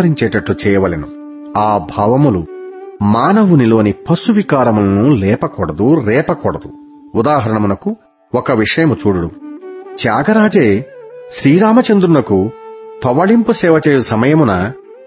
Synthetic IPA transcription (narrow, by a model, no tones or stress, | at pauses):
ɾiɲt͡ʃɛːʈɐʈlut͡ʃɛːjɐʋɐlɐnu | aːbʱaːʋɐmulumaːnɐʋunilo̞ːnipɐsuʋikaːɾɐmulɐnulɛːpɐkɔɽɐd̪uɾɛːpɐkɔɽɐd̪u | ud̪aːɦɐɾɐɳɐmunɐku | ɔkɐʋiʂɐjɐmut͡ʃuːɽuɽut͡ʃjaːɡɐɾaːd͡ʒeːsɾiːɾaːmɐt͡ʃɐnd̪ɾunɐkupɐʋɐɭimpusɛːʋɐt͡ʃɛːjusɐmɐjɐmunɐ